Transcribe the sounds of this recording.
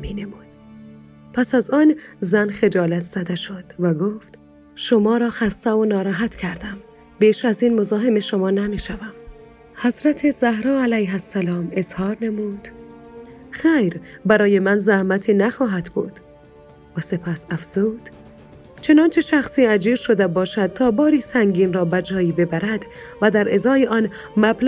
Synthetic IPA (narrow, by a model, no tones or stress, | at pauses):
miːne̞muːd̪̥̚ | pʰæsæzɒːnzænxe̞d͡ʒɒːlæt̪ʰz̥æd̪eʃod̪̥væɡoːft̪ | ʃomɒːɾɒːxæst̪ævonɒːɾæːɦæt̪cʰæɾd̪æm | biːʃæziːnmo̞zɒːɦeme̞ʃomɒːnæmiːʃævæm | hæzɾæt̪ʰezæhɾɒːælæjɦæsːælɒːme̞zhɒːɾnemuːd̪̥ | xeːjɾbæɾɒːje̞mænzæhmæt̪ʰiːnæxɒːɦæd̪bṵːd̪̥ | væse̞pʰæsæfz̥uːd̪̥ | t͡ʃʰe̞nɒːnt͡ʃʰe̞ʃæxsiːæd͡ʒiːɾʃod̪ebɒːʃæd̪̚t̪ʰɒːbɒːɾiːsæŋɟiːnrɒːbæd͡ʒɒːiːbe̞bæɾæd̪væd̪æɾʔezɒːjeʔɒːn | mæbl